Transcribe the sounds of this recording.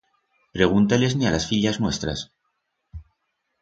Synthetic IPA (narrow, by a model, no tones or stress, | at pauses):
pɾe̞ɣ̞unt̪ale̞znialasfiʎaznwe̞st̪ɾa̰s